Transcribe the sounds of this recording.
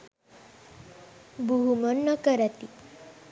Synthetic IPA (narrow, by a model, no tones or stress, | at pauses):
buɦumənːəkəɾat̪i